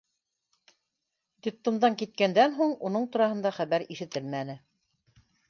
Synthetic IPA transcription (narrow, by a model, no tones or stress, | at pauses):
d̪ʲik̚t̪ːŏmd̪ɑŋkit̪̚kænd̪ænɦuɴunɤɴt̪ŭɾɑhɤ̆nd̪ɑχæβæɾiʃɘ̆t̪ɘlmænɘ